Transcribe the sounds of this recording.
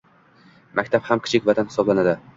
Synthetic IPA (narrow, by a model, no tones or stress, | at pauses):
mʔakʲt̪ʰaphamkʲʰɪ̥t͡ʃʰɪkʲvat̪ʰanhɪ̥sɒblanad̪ɪ